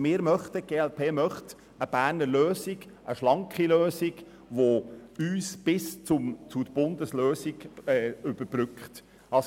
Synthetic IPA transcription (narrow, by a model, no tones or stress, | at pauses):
mɪːɾmœχtəɡ̥eːɛlpʰeːmœχt̪ | əb̥æːɾnəɾløːsɪɡ | ʔəʃlɑŋkχiløːsɪɡ | ʋoyːsb̥ɪst͡sʊmt͡sudəb̥ʊnd̪əsløːsiɡ̥ɛːʏb̥əɾbɾʏkχt | ɑs